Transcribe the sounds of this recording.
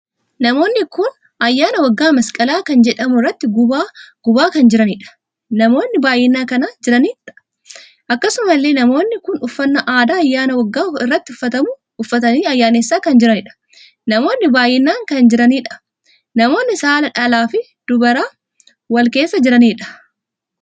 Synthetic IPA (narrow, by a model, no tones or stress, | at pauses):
nɐmo̞ːnːɪkʊn | ɐjːaːnɐwɐɡːaːmɐskʼɐlaːkɐnd͡ʒɛᶑɐmʊɪrːɐt̪ːɪɡʊaɡ̥ʊbaːkɐnd͡ʒɪɾɐniᶑɐ̥ | nɐmo̞ːnːɪbaːjɛnːaːkɐnaːd͡ʒɪɾɐniːᶑɐ̥ | ʔɐkːɐsʊmɐlːe̞ːnɐmo̞ːnːɪkʊnʊfːɐnːɐʔaːd̪aːɐjːaːnɐwɐɡːaːɪrːɐt̪ːɪʊfːɐt̪ɐmʊ | ʊfːɐt̪ɐniːɐjːaːnɐsːaːkɐnd͡ʒɪɾɐnɪᶑɐ̥ | nɐmo̞ːnːɪbaːjːɛnːaːŋkɐnd͡ʒɪɾɐniːᶑɐ̥ | nɐmo̞ːnːɪsaːlɐᶑɐlaːfɪ | d̪̥ʊbɐɾaː | wɐlke̞ːsːɐd͡ʒɪɾɐniːᶑɐ̥